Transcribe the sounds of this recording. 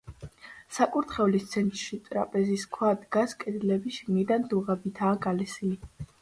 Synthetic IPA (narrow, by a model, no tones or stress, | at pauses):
sakʼuɾt̪ʰχɛvlist̪sʰɛnt̪ʼɾʃit̪ʼɾa̰pʼɛziskʰwad̪ɡaskʼɛd̪lɛbisʃiɡnid̪and̪uʁɛbit̪ʰaːɡalɛsili